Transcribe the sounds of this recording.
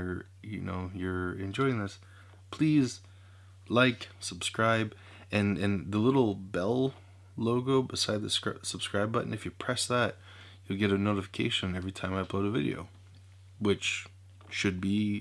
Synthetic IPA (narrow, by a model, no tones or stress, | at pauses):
ə˞ | jɨ̰no̰ʊjə˞ɨ̰̃nd͡ʒɔɪɪ̃ŋðɪs | pʰl̥iz | laɪksəb̥skɹaɪb | ɨ̃nɨ̃nðəlɪɾl̩ˠbɛlˠ | loʊɡoʊbɨsaɪd̪̚ðɨssəb̥skɹaɪbʌʔnɨfjɨpʰɹ̥ɛsðæt̚ | jɨlˠɡɛɾɨnoʊɾɨfə̥kʰeɪʃɨ̃nɛvɹitʰãɪ̃maɪpʰl̥oʊɾɨvɪ̰ɾḭo̰ʊ | wɪt͡ʃ | ʃɨd̚bi